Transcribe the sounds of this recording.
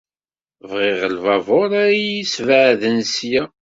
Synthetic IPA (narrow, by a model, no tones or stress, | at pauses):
vʁɪʁəlvɑvoɾæjisvəʕðənsjæ